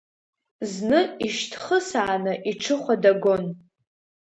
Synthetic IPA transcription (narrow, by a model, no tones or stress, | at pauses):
znɨiʃtʰχəsaːnɨʔiʈ͡ʂʰɨχʷadaɡon